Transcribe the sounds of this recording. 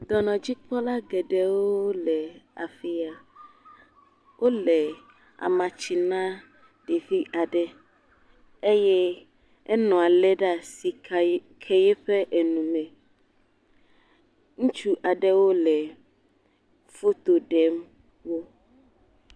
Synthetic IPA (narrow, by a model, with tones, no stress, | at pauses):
d̪ɔ˨nɔ̃˨d͡ʑi˦k͡pɔ˦la˦ɡɛ˨ɖɛ˦wo˦lɛ˨a̰˨fi˨a˨ | wʔo˦lɛ˨ | a̰˨mã˨t͡ʃi˨nã˦ | ɖ̥e˨ɸi˦ʔa˨ɖɛ˦ | e˦jɛ˦ | ɛ˦nɔ̃˨a˨lɛ˦ɖa˦si˨kʰɛ˦jɛ˦ɸɛ˦ʔe˨nũ˨mɛ̃˨ | ŋũ˦t͡ʃu˦ʔa˨ɖɛ˦wo˦lɛ˨ | fo˦t̪o˨ɖɛ˦m | wo˦